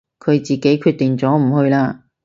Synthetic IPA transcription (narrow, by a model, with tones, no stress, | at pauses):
kʰɵ˨˧ɥt͡siː˨ke˨˥jkʰyː˧t̪̚ːɪ˨ŋt͡sɔː˨˥m̩˨˩hɵ˧ɥlaː˧